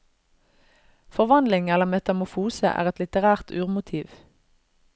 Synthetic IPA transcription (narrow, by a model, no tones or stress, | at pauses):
fɔʁʋɑnd̪lɪŋɛləʁmɛt̪ɑmʊfuːsə̰ʔæ̰ːʁɛt̪lɪt̪əʁæːʁt̪ʉːʁmʊt̪ʰiːʋ